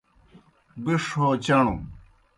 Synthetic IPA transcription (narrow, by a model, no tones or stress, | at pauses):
biʂot͡ɕɐɳ̃ṵ